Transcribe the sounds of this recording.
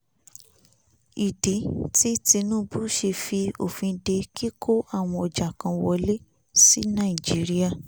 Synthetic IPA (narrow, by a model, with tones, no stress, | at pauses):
i˨de˨˦ti˦ti˧nũ˦bu˦ʃe˧fi˧o̰˦˨fĩ˧de˧ki˦kʰo˦a˦˨w̃ɔ̃˧ɔ˨d͡ʒa˨kã˧wɔ˧le˦ | si˦nã˦˨i˨d͡ʒi˨˦ɾi˦a˦˨